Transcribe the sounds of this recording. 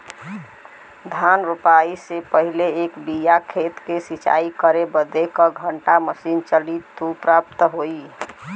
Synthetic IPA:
d̪ʱanɾupaisepəɦileekbijakʰet̪kesit͡ʃa̰ikəɾebəd̪ekəɡʱəɳʈaməsint͡ʃəlit̪ːupɾap̚t̪ɦoi

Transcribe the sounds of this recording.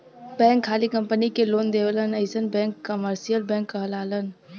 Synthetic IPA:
bɛ̃ːŋkʰːaːlikə̃mpənikeloːnd̪eːʋlənəɪsənbɛ̃ːŋkːəməɾsijəlbɛ̃ːŋkːəɦəlaːlən

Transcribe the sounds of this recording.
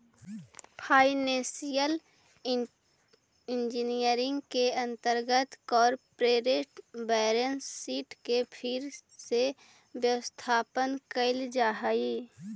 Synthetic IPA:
pʰaːɪnẽsijəl | ɪnd͡ʒinijəɾɪ̃ŋɡkeə̃nt̪əɾɡət̪kɔːɾpɾeːɾeʈbɛːɾənsːiːʈkepʰɪɾse | bjəwəst̪ʰaːpənkəɪld͡ʒaːɦaiː

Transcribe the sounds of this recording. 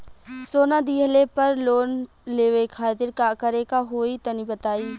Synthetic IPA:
soːnad̪iːɦlepɐɾloːn | leːʋekʰaːt̪ɪɾkakəɾekaɦoːit̪ɐnibət̪aːiː

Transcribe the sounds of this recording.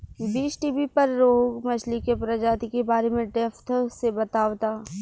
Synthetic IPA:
biːsʈiːbipɐɾːoːɦɡmɐt͡ʃʰlikepɾɐd͡ʒaːt̪ikebaːɾemẽɖɛːft̪ʰsebɐt̪aːʋt̪aː

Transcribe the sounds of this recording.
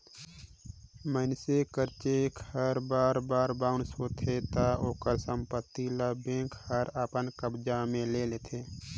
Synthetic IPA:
mənsekəɾt͡ʃekʰhəɾbaːɾbaːɾbaʊnsoːt̪ʰet̪aoːkəɾsə̃mpət̪ːilabẽːkhəɾəpənkəbd͡ʒamẽlelet̪ʰeː

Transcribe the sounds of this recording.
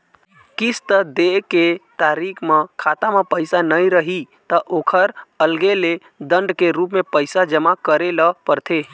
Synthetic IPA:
kist̪əd̪eket̪aɾikʰmekʰat̪amepəjsanəjɾəɦi | t̪əʔokʰəɾəlɡele | d̪əɳɖkeɾupmepəɪsad͡ʒəmakəɾeləpəɾt̪ʰe

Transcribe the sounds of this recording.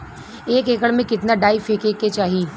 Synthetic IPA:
eːkeːkəɽmẽkɪt̪naɖaːɪfekeːket͡ʃaːɦi

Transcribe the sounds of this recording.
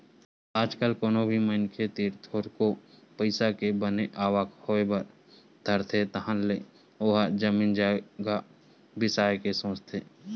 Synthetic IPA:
aːd͡ʒkəlkoːnobʱimənkʰet̪iːɾt̪ʰoːɾkopəɪsakebəneʔaːʋaːkhoebəɾ | d̪ʱəɾt̪ʰet̪əɦə̃nle | oːɦad͡ʒəmiːnd͡ʒaːɡa | bɪsaːjkesõːst̪ʰe

